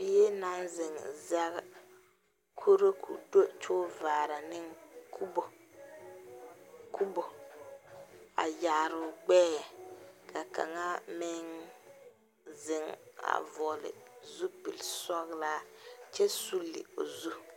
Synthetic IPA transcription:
jɛ˦na˦nzɪ˨ŋza˦ɡ | kʰu˦ɾo˦kʰṵ˨do˦t͡ʃoː˦vaː˨ɾa˨nɪ˦ŋku˦bo˨ | ku˦bo˨ | a̰˨ja˨ɾʊ˨ɡ͡bɛː˦jɛ˨kʰa˨ka̰˨ŋa˦mɪ˦ŋ | zɪ˨ŋa̰˨vɔ˨lɪ̰˨zu˦pi˨lsɔ˦ɣla˦t͡ʃɛ˦su˦lːɪ̰˨o˨zu˦

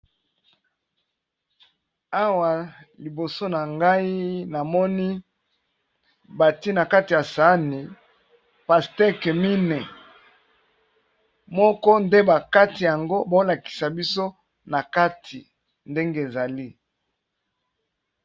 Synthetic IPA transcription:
a˦wa˨li˨bo˨so˦na˨ŋɡa˦i˦na˨mɔ˦ni˦ | ba˨ti˦na˨ka˦ti˨ja˨sa˨˦ni˨ | pa˨stɛ˦ke˨mi˦nɛ˨ | mɔ˦kɔ˦nde˦ba˨ka˦ti˨ja˨ŋɡo˦bo˦la˨ki̥˨sa˨bi˦so˦ | na˨ka˦tʰi˨ | nde˦ŋɡe˦e˨za˨li˦

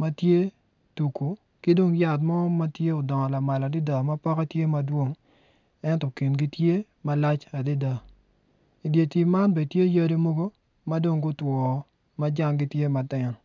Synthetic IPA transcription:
ma˦tje˦ | tu˨ku˨ | ki˦do˦ŋja˨t̬mɔ˦ma˦tje˦ɔ˨dɔ˨ŋɔ˨la˨ma˨la˨dɪ˦da˨ma˦pɔ˦ka˦tje˦ma˦dwo˦ŋ | ɛ˦ntɔ˨ki˨nɡi˦tje˦ | ma˦la˦t͡ʃa˨di˦da˨ | i˨dje˨ti˨ma˦nbe˨tje˦ja˦di˦mo˦ɡo˦ | ma˦do˦ŋɡʊ˦twɔ˨ | ma˦d͡ʒa˦ŋɡi˦tje˦ma˨tɪ˨n˨

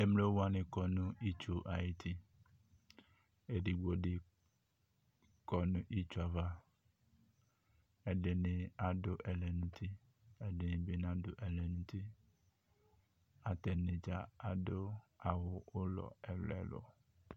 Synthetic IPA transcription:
e˦mle˦wo˦wa˦nɪ̃˨kɔ˨nũ˦i˦t͡ʃo˨ʔa˨ji˦t̪ʰi˦ | e˨ɖi˨ɡ͡bo˨ɖɪ˦ | kɔ˨nũ˦ʔi˦t͡ʃu˦a˨va˦ | e˨ɖe˨nɪ̃˨a˨ɖʊ˦ʔɛ˨lɛ˨nũ˦t̪ʰi˦ | e˦dɪ˨nɪ̃˨be˦nã˦dʊ˨ʔɛ˨lɛ˨nũ˦t̪i˦ | a˨t̪ɛ˨nɪ̃˨d͡ʒa˨a˨do˦a˨wʊ˨ʊ˦lɔ̰˨ɛ˨lɛ̰˨lo̰˨

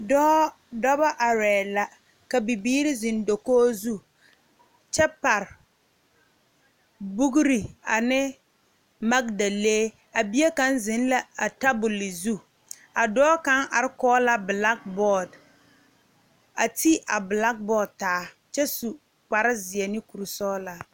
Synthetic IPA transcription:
dɔː˦ | dɔ˦ba˦ʔa˨ɾɛː˨la˨ | ka˨bi˨biː˦ɾɪ˦zɪ˨ndo˨koː˦zu˦ | t͡ʃɛ˦pa˨ɾ | bu˦ɡɾi˨a̰˨nɪ˦ | ma˦k̚da˨leː˦ | a˨bi˦e˦ka˦nzɪ˨˦n˦la˦a˨ta˦bʊ˨li˨zu˦ | a˨dɔː˦ka˦ŋʔa˨ɾɪ˦kɔː˦la˦bla˦k̚bɔ˦˨d | a˨ti˦ʔa˨bla˦k̚bɔː˦d̚taː˨˦ | t͡ʃɛ˦su˨ | k͡pa˨ɾɪ˦zɪ˨ɛ˨nɪ˦ku˨ɾu˨sɔː˦la˨

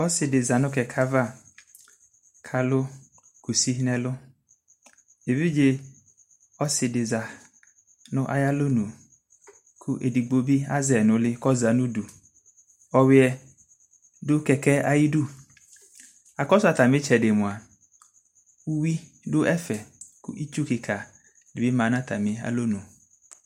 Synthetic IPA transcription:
ɔ˦sɪ˨dɪ˨za˨nʊ̃˦kɛ˨kʰa˦va˦˨ | kʰa˨lʊ˦ | ku˨si˦nɛ˦lʊ˦ | e˨vi˦d͡ʒɪ˦ | ɔ˦sɪ˨dɪ˨za˨ | nʊ̃˦ʔa˦ja˦lo˦nũ˨ | kʰʊ˦ʔe˨di˨ɡ͡bo˨bi˦a˦zɛ˨nʊ̃˨lɪ˦kɔ˦za˨nʊ̃˦du˨ | ɔ˨wɪ˦ɛ˨ | dʊ˦kɛ˨kɛ˦a˦ji˦du˦˨ | a˨kɔ˦sa˨t̪a˨mɪ̃˦t͡ʃɛ˨de˨mʊ̃˨a˨ | u˦wi˦ | dʊ˦ʔɛ˦fɛ˨kʊ̰˦ʔi˦t͡ʃu˦kɪ˨kʰa˨ | dɪ˨bɪ˦mã˨˦nã˦t̪a˨mɪ̃˨a̰˨lo˦nũ˨

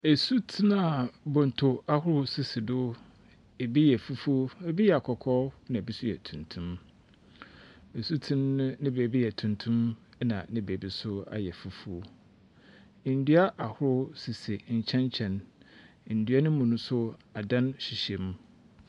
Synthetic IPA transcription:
e˨su˦tʰi˦na˨bɔ̃˨n˨tʰo˨a˦hʊ˦ɾʊ˦si˨si˨dʊ˦ | e˨bi˦jɛ˨fu˦fu˦o˦e˨bi˦jɛ˨a˨kʰɔ˨kʰɔ˦nã˨e˨bi˦sʊ˦jɛ̰˨tʰũ˨ntʰũ˦m | e˨su˦tʰĩ˦n˦nɪ̃˦be˨bi˦jɛ˨tʰũ˨ntʰũ˦m˦nã˨nɪ̃˦be˨bi˦sʊ˦a̰˨jɛ˨fu˦fu˦o˦˨ | n̩˨dɥa˦ʔa˨hʊ˦ɾʊ˦si˨si˨ɲ̩˨t͡ɕʰɛ̃˦ɲ˦t͡ɕʰɛ̃˨n˨ | n̩˨dɥa˦nʊ̃˦mũ˨nʊ̃˦sʊ˦a˨dã˦nɕi˨ɕɛ˨m˦

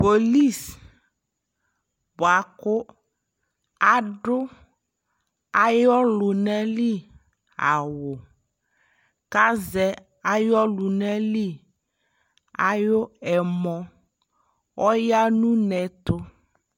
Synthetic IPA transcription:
po˨li˦˨s | bo˨a˨kʊ˦ | a˨ɖʊ˦ | a˦jɔ˦lʊ˨nɛ˦li˦ | a˨wʊ˨ | ka˦zɛ˨ | a˦jɔ˦lu˨nɛ˦li˦ | a̰˨jʊ˦ɛ˨mɔ̃˦ | wɔ˦ja˦nũ˦nɛ̃˨t̪ʊ˦

